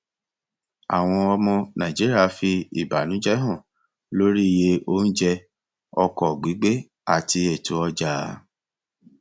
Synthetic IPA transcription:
a̰˨w̃ɔ̃˧ɔ˧mɔ̃˧nã˨d͡ʒi˦ɾi˦a˧fi˧i˨ba˨nũ˨˦d͡ʒɛ˦ɦɔ̃˦˨ | lo˦ɾi˦˨je˧o˦n̩˦d͡ʒɛ˧ | ɔ˧kɔ˨ɡ͡bi˨˦ɡ͡be˦ | a˨ti˧ɛ˨tu˨˦ɔ˧d͡ʒa˨˦

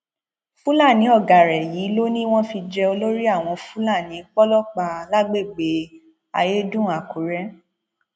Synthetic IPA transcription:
fu˦la˦˨nĩ˨˦ɔ˦˨ɡa˨ɾɛ˨jiː˨˦lo˦nĩ˦w̃ɔ̃˦fi˧d͡ʒɛ˧o˧lo˦ɾi˦a˦˨w̃ɔ̃˧fu˦la˦˨nĩ˨˦k͡pɔ˦lɔ˦k͡pa˨la˦ɡ͡be˦˨ɡ͡be˨˦ | a̰˧je˦dũ˦˨a˨ko˨ɾɛ˦

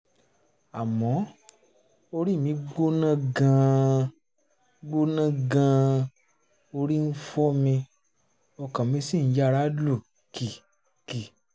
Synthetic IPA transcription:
a˨mɔ̃˨˦ | o˧ɾi˦˨mĩ˨˧˦ɡ͡bo˦nã˦ɡã˧ | ɡ͡bo˦nã˦ɡã˧ | o˧ɾi˦n̩˦fɔ˦mĩ˧ | ɔ˧kã˨mĩ˧˦si˦˨n̩˨˦d͡ʒa˦˧ɾa˦do˦˨ | ki˨ | ki˨

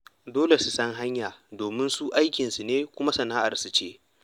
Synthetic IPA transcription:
doː˦le˨su˨sɐ˦ŋɦa˦ɲjaː˨doː˨mɪ˦nsu˦ʔa˦jkʲɪ˨nsu˨neː˦kʷʊ˦ma˦sɐ˨naː˦ʔa̰˨rsu˨t͡ʃeː˦

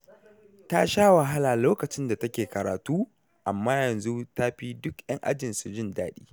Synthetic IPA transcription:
ta˦ʃaː˦wa˨ɦa˦laː˨loː˦kɐ˨t͡ʃɪ˦nda˨tɐ˦kʲeː˨kɐ˨ɾa̰ː˨tuː˦ | ʔa˨mːaː˦jɐ˨nzu˦ta˦ɸi˦dʊ˦kj̰ɐ˦ŋʔa̰˦d͡ʒɪ˨nsu˨d͡ʒɪ˦ndaː˦ɗiː˦

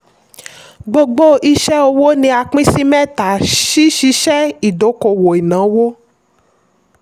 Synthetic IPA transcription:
ɡ͡bo˧ɡ͡bo˦ʔi˦ʃɛ˦o˧wo˦nĩ˧a˧k͡pĩ˦si˦mɛ̃˦˨ta˨ʃi˦ʃi˦ʃɛ˦i˨do˨˦ko˧wo˨i˨nã˨˦wo˦

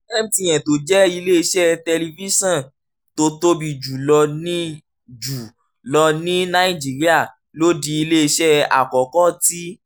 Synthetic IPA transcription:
ɛ˦˨m̩˨tĩ˧j̃ɛ̃˨to˨d͡ʒɛ˦i˧le˦i˧ʃɛ˦tɛ˧li˧vi˦sɔ̃˦˨ | to˧to˧bi˨d͡ʒu˨lɔ˧nĩ˦ | d͡ʒu˨ | lɔ˧nĩ˦na˧i˦˨d͡ʒi˨˦ɾi˦a˦˨ | lo˦di˧i˧le˦i˧ʃɛ˦a̰˨kɔ˨kɔ˦˨ti˦

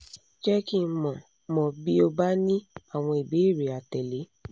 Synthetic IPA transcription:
d͡ʒɛ˦ki˦mɔ̃˨ | mɔ̃˨bi˦o˧ba˦nĩ˦a˦˨w̃ɔ̃˧i˨bi˨˦i˦˨ɾe˨a˨tɛ˨le˨˦

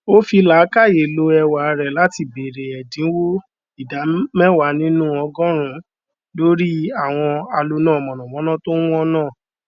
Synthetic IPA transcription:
o˦fi˧la˨˦ka˦˨je˨lo˧ɛ˧wa˨˧ɾɛ˨la˨˦ti˧be˨ɾe˨ɛ˨dĩ˨˦wo˦ | i˦˨da˨˦mɛ˦wa˨˧˦nĩ˦nũ˦ɔ˧ɡɔ̃˦ɾ̃ũ˧˦ | lo˦ɾi˦a˦˨w̃ɔ̃˧a˧lo˧nã˦˨ɔ˨mɔ̃˨nɔ̃˨mɔ̃˨˦nã˦˨to˦wũ˦ɔ˦nãː˦˨

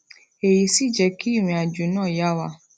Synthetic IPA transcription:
e˨ji˧si˦˨d͡ʒɛ˧ki˦i˦˨ɾ̃ĩ˧a˨d͡ʒu˨˦nãː˦˨ja˦wa˧

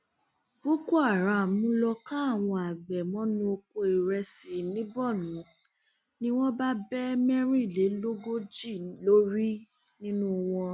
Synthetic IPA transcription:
bo˦ko˦a˨ɾa˨mũ˦lɔ˧kã˦a˦˨w̃ɔ̃˧a˨ɡ͡bɛ˨mɔ̃˦nũ˧o˧ko˧i˨ɾɛ˧si˨nĩ˨˦bɔ˦˨nũ˨˦ | nĩ˦w̃ɔ̃˦ba˦bɛ˦mɛ˦ɾi˦˨le˨˦lo˦ɡo˦d͡ʒi˦˨lo˦ɾi˦ | nĩ˦nũ˦w̃ɔ̃˧

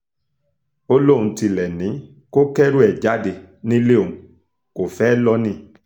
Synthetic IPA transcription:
o˦lõ˦˨ũ˧ti˧lɛ˨nĩ˨˦ | ko˦kɛ˦ɾu˦ɛ˨d͡ʒa˨˦de˧˨ | nĩ˦le˦o˨ũ˨ | ko˨fɛː˦lɔ˦nĩ˧

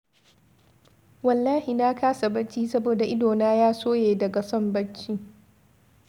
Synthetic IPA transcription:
wɐ˨lːaː˦hi˨naː˦kaː˦sa˨bɐ˦t͡ʃːiː˦sɐ˦boː˨da˨ʔɪ˦doː˨naː˦jaː˦soː˦jeː˨dɐ˨ɡa˨sɔ˦mbɐ˦t͡ʃːiː˦

